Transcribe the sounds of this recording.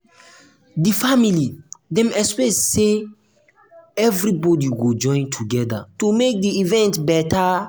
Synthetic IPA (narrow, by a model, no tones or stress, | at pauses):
difamilidɛ̃mɛspɛsse | ɛvɾibɔdiɡod͡ʒɔ̃ɪ̃ntʰuɡɛda̰tumek̚diivɛ̃ntbɛta